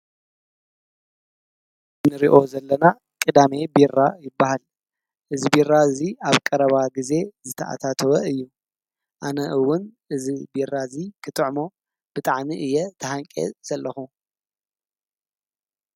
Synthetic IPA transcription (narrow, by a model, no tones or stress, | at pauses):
nɨɾiʔo̞zɐlːɐna | kʼɨd̪ame̞birːajɪbːahal | ʔɨzibiraziaβkʼɐɾɐβaɡize̞zɨt̪ʰɐʔa̰t̪ʰat̪ʰɐwɐɨjːu | ʔanɐʔɨwːʊnʔɨzibirːazikʰɨt̪ʼɨʕmo̞ | b̥ɨt̪ʼaʕmiʔɨjːɛt̪ʰɐhaŋkʼḛz̥ɐlːɐxu